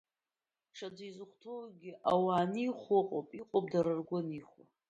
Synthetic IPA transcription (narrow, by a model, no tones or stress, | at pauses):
ʈ͡ʂʰad͡zajzɨχʷtʰolɡʲɪʔawaːniχʷʊqʼopʼiqʼopʼdaɾɨrɡʷʊniχa